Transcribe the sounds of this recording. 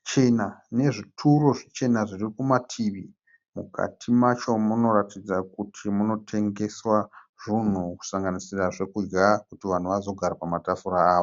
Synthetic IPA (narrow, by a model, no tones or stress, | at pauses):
t͡ʃe̞nane̞ʐitʰuro̞ʐit͡ʃe̞naʐiriikumatʰiʋi | mukʰa̰tʰimat͡ʃo̞muno̞ratid͡zakutʰimuno̞tʰe̞ŋɡe̞swaʐ̥un̤uku̥saŋɡanisiraʐe̞kud͡ʒɡakutiʋan̤uʋazo̞ɡʱaɾapamatafuɾaːʋo